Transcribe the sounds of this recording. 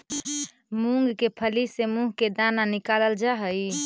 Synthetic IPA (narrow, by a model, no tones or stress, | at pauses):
muŋɡkepʰəlisemũɦked̪ananikaləld͡ʒaɦəj